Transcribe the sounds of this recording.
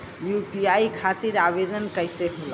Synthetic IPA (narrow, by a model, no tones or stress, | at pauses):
jupiajkʰat̪iɾabed̪ənkəjseɦol